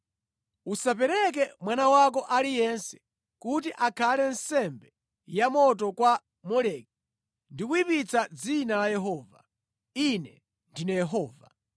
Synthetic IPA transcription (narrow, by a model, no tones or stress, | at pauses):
usapɛɾɛk̬ɛmwanawak̬ɔʔalijɛnsɛ̥ | kutiʔakʰalɛnsɛmbɛ | jamɔt̬ɔkwa | mɔlɛki | ndikuipit͡sʰad͡zinalajɛɦɔːva | inɛ | ndinɛjɛɦɔːva